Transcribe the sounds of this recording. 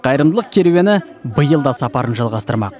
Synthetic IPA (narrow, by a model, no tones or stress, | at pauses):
qʰɑjəɾəmd̪əlˠəq̚kʲʰe̞ɾuwenɪbəjəlˠd̪ɑsɑpɑɾənʒɑlˠʁɑst̪əɾmɑ̰q